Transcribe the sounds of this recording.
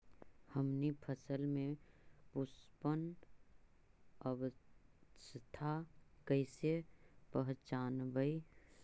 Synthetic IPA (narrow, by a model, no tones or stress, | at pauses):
həmnipʰəsəlmẽpʊspən | əʋə | st̪ʰakəɪsepəɦt͡ʃaːnbəi